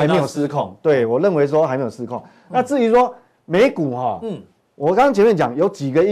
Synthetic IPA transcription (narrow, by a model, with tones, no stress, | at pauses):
a˨˦me˧˥jo˨˩sɹ̩˧kʰɔ˥˨ŋt̪we˥˩ɪwɔ˨˩lə˥˨nwe˧ɪs̬wɔ˦xa˧ɪme˧˥˦jo˨˩sɹ̩˧kʰɔ˥˩ŋ | na˥˧t͡sɹ̩˥˩i˧˥s̬wɔ˦ | me˧˦ɪku˨˩hɔ˥˨ | wɔ˨ka˥˦ŋ˥˦ŋt͡ɕʰɛ˧˦mɛ˥˨nt͡ɕja˨˩˦ŋjo˨˦ʊt͡ɕi˨˩ɡə˨i˦